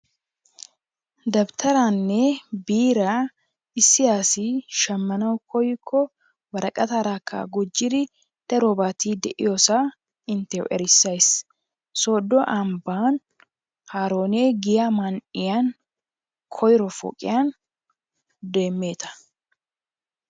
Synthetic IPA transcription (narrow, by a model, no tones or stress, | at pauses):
d̪ɐbt̪ʰɐɾanːɛbiːɾa | ɪsːɪjaːsɪʃɐmːɐnɐwkʰɔjkʰːɔ | wɐɾɐkʼɐt̪aːɾaːkʰːa̰ɡʊd͡ʒːɪd̪ɪ | d̪̥ɐɾoːbaːt̪iːd̪ɛʔɪjoːsa | ɪnt̪ɛwʔɛ̰ɾɪsːɐjs | soːd̪ːɔʔɐmbaːn | haːɾo̞ːneːɡɪjamɐnɪjan | kʰɔjɪɾɔfɔ̰ːkʼɪ̰jan | d̪e̞ːmːe̞ːt̪ɐ̥